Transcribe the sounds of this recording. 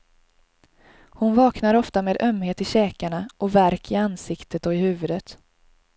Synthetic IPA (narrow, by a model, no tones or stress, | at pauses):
hʊnvɑːknaɾɔft̪ameːd̪œmheːt̪ɪɕɛːkaɳaʔɔvæɾkɪansɪkt̪ət̪ɔɪhʉ̟ːvɵd̪ət̪